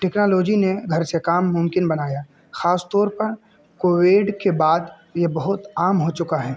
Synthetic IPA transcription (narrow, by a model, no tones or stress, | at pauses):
ʈɛːknaːlɔːd͡ʒineɡʱɐɾsekaːmːʊmkɪnbɐnaːjaː | xaːst̪ɔːɾpɐɾ | koːʋeːɖkebaːd̪ | jebɐɦʊt̪aːmɦot͡ʃʊkaɦɛː